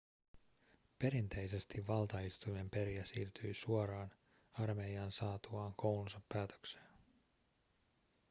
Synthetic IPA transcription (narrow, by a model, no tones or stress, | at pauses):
pe̞ɾint̪e̞jse̞st̪iʋːɑlt̪ɑist̪ujme̞mpe̞ɾiæsiːrt̪yjsuoɾɑːn | ɑrme̞iɑnsɑːt̪uɑːŋko̞wlunsɑpːæːt̪ø̥kse̥ːn